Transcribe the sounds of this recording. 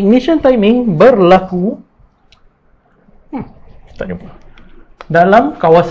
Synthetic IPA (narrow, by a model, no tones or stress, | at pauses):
ik̚niʃãnt̪ajmĩŋbərlaku | i̥t̪aʔd͡ʒupa | dalamkawas